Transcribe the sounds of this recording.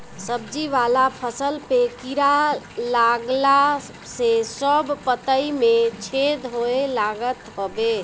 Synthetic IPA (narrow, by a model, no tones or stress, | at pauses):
səb̚d͡ʒiʋalapʰəsəlpekiɾa | laɡla | sesəbpət̪əimet͡ʃʰed̪ɦoelaɡət̪ɦobe